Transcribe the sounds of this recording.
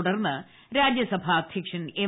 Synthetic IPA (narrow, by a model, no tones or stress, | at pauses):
uɽɐrnːɐ | ɾaːd͡ʑjɐsɐbʱaːɐd̪ʱjɐkʂɐneː